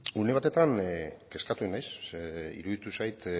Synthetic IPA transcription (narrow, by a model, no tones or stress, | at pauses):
une̞β̞at̪e̞t̪anke̞skat̪uenajsḭɾuðit̪usajt̪